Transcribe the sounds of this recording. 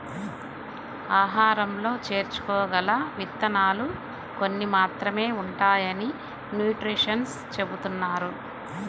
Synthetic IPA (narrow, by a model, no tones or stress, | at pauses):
aːɦaːɾɐmlo̞ːt͡ʃe̞ːɾt͡ʃu̥kɔːɡɐlɐʋit̪ːɐnaːlu | ko̞nːimaːt̪ɾɐme̞ːuɳʈaːjɐni | njuːʈɾiʂɐns | t͡ʃe̞but̪unːaːɾu